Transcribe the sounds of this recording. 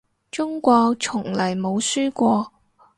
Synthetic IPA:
t͡sʊ˥ŋkʷɔː˧kt͡sʰʊ˨˩ŋlɐ˨˩jmo˨˧wsyː˥kʷɔː˧

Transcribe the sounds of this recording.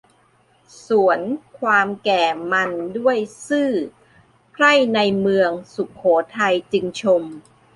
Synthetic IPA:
su˩˦ənkʰwaː˧mkɛː˨˩ma˧ndu˥˩əjsɯː˥˩ | pʰɾa˥˩jna˧jmɯ˧əŋsu˨˩kʰːoː˩˦t̪ʰa˧jt͡ɕɯ˧ŋt͡ɕʰo˧m

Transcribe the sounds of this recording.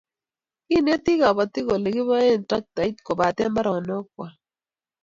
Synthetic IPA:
ki˦˨ne˦tɪ˦ɣa˨bɔ˨t̪ɪ˦ɣo˨le˨ɡɪ˦βa˦e˦˨n˨ta˦k̚ta˨i˦tko˨ba˨tɛ˦mba˦ɾɔ˨nɔ˦k̚wa˨

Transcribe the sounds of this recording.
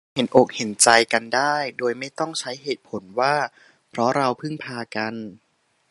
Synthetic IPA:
he˩˦nʔoː˨˩k̚he˩˦nt͡ɕa˧jka˧ndaː˥˩jdoː˧jma˥˩jt̪ɔ˥˩ŋt͡ɕʰa˦˥jɦeː˨˩t̪̚pʰo˩˦nwaː˥˩ | pʰɾɔ˦˥ɾa˧wpʰɯ˥˩ŋpʰaː˧ka˧n

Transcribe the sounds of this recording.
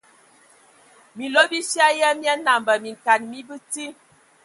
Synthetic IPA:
mi˨lo˦bi˦sja˦jə˦mja˦na˨mbə˨mi˨n˨ta˨nmi˦bi˦ti˦

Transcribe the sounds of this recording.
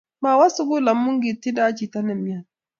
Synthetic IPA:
maː˨wɐ˦su˦ɡu˦la˨mːʊ˦ŋɡi˨ti˦daː˦t͡ʃi˨ta˦nɐ˨mːɪ˦ja˨

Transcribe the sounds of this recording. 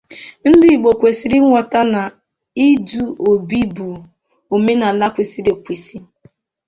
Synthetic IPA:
n̩˦dɪ˦i˨ɡ͡bo˨kʷe˨si˨ɾi˦ŋʷɔ˨ta˦na˨ | i˦du˨o˨bi˦bu˨ | o˨me˦na˨la˦kʷi˨si˦ɾi˨kʷi˨si˦

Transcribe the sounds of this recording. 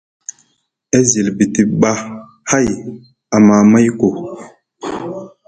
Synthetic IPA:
e˦zi˨lbi˨ti˨ɓa˦ | ha˦˨j | a˨ma˨ma˦jko˨

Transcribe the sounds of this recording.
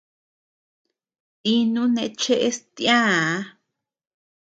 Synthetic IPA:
t̪i˧nũ˦nẽ˧t͡ʃe˦ʔe˦st̪ijãː˦

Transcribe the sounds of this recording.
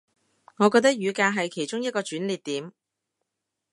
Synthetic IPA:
ŋɔː˨˧kɔː˧t̪ɐ˥k̚jyː˨˧kaː˧ɦɐ˨jkʰe˨˩jt͡ʃʊ˥ŋjɐ˥t̚kɔː˧t͡ʃyː˨˥nliː˨t̪̚t̪ːiː˨˥m

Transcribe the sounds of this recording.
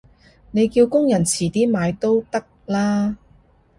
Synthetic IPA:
ne˨˧jkiː˧wkʊ˥ŋjɐ˨˩nt͡sʰiː˨˩t̪iː˥maː˨˧jt̪o˥wt̪ɐ˥k̚laː˥

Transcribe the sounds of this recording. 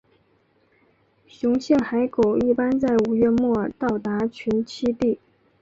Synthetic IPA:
ɕʊ˧˥ŋɕjɛ˥˩nxa˧˥ɪko˨˩ʊi˥˩pa˥nt͡sa˥˩ɪu˨˩ɥɛ˥˧mwɔ˥˩t̪ɑ˥˩ʊt̪a˧˥t͡ɕʰy˧˥nt͡ɕʰi˥t̪i˥˩

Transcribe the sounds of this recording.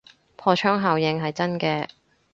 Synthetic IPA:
pʰɔː˧t͡ʃʰœː˥ŋɦaː˨wjɪ˧ŋɦɐ˨jt͡sɐ˥nkɛː˧

